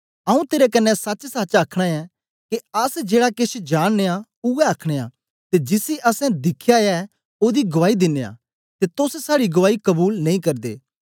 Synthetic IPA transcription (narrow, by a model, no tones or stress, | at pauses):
ɐũt̪eːɾekɐnːɛsɐt͡ʃsaːt͡ʃaːkʰɽ̃aɛ | keɐsd͡ʒeːɽaket͡ʃʰd͡ʒaːɽ̃neːa | ʊɛɐkʰɽ̃ea̰ | t̪ed͡ʒɪsiʔɐsɛ̃d̪ɪkʰjaɛ | oːd̪iɡʊʋaːid̪ɪnːea̰ | t̪et̪ossaːɽiɡʊʋaːikɐbuːlnɐĩkɐɾd̪ḛː